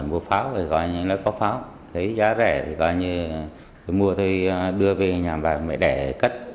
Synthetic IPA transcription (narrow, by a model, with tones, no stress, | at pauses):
mu˧əfaː˨˦wt̪ʰi˨˩kɔ˨˧˦ɲɨ˧nɔ˨˦jkɔ˨˦faː˨˦w | t̪ʰə˨˦jzaː˨˦zɛ˧˩t̪ʰi˨˩kɔ˨˦ɲɨ˧ | t̪ʰo˧jmu˧ət̪ʰo˧jɗɨ˧əve˧ɲaː˨˩mɓaː˨˩mɛ̰˧˨jɗɛ˧˩kə˦˥t̚